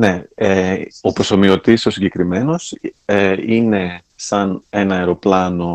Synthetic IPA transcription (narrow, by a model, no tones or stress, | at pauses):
ne̞eo̞pɾoso̞mio̞t̪iso̞siɲɟe̞kɾime̞no̞seine̞ | sɐne̞nɐɐeɾo̞plɐno̞